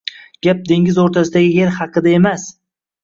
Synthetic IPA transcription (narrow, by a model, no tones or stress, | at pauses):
ɡʲap̚d̪e̞ŋʲɪzoɾt̪ʰasɪd̪aɡʲɪje̞ɾχɑqʰɨd̪ae̞mas